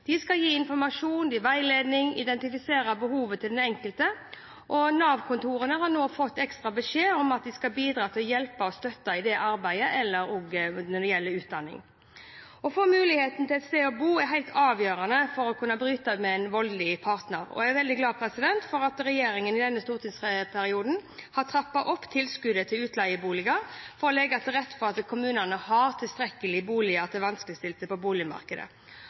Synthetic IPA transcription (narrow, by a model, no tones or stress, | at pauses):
d̪̥ɪskɑljiːɪnfɔɾmɑʂuːnd̪iːʋæɪleːd̪nɪŋɪ̰d̪ɛnt̪ɪfɪseːɾɑbəɦuːʋət̪ʰɪld̪ɛnɛŋkəlt̪ə | ʔɔnɑːʋkʰʊnt̪ʰuːɾənəɦɑɾnoːfɔt̪ːɛkst̪ɾɑbəʂeːɔmɑt̪̚d̪ɪskɑbiːd̪ɾɑːt̪ʰɪlɔjɛlpɑɔst̪œt̪ːɑɪd̪ɛʔɑɾbæɪəʔɛlːəɾɔɡnɔɪjɛlːəʉːt̪̚d̪ɑnːɪ̰ŋ | ɔfɔmʉːlɪheːt̪n̩t̪ʰɪlɛt̪st̪eːɔbuːæɾɦæɪlt̪ʰɑːʋjøːɾɑnəfɔɾɔkʰʉnːɑbɾyːt̪əmɛnʋɔllɪpʰɑɾt̪nəɾɔ̰ææʋɛld̪ɪɡlɑːpʰɾɛsɪd̪ɛnt̪fɔɾɑt̪ɾɛjeːɾɪŋənɪd̪ɛnːəst̪uːɾt̪ʰɪŋspʰæɾɪuːd̪n̩hɑt̪ʰɾɑpːɑʔɔpːt̪ʰɪlskʉd̪ət̪ʰɪlʉːt̪lɑɪəbuːlɪɡɑɾfɔɾɔlɛɡɑt̪ɛɾɛt̪ːfɔɾɑt̪kʰʊmʉːnənəhɑɾt̪ʰɪlst̪ɾɛkːəlɪbuːlɪət̪ʰɪlʋɑnskləst̪ɪlsəpɔbuːlɪmɑ̰ʁkəd̪ə̰